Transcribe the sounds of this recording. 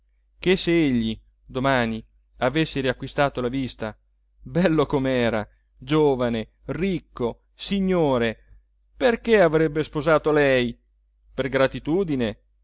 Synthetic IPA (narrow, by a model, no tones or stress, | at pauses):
k̟eseeʎːi | d̪omaːni | avesːeɾiakwist̪aːt̪olavist̪a | bɛlːokomeɛːɾa | d͡ʒoːvane | rikːo | siɲːoːɾe | perkeavɾɛbːespozaːt̪olɛj | perɡɾat̪it̪uːd̪ine